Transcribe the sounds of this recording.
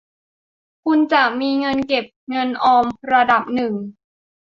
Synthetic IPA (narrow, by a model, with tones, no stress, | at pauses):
kʰu˧nt͡ɕa˨˩ʔ̚miː˧ŋɤ˧nke˨˩p̚ŋɤ˧nʔɔː˧mɾa˧da˨˩p̚nɯ˨˩ŋ